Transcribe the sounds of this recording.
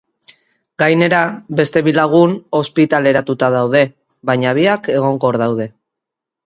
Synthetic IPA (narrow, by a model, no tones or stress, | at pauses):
ɡajne̞ɾabe̞st̪e̞βilaɣ̞uno̞spit̪ale̞ɾat̪ut̪aðawð̞e̞ | βaɲaβ̞iake̞ɣ̞o̞ŋɡoɾðawð̞e̞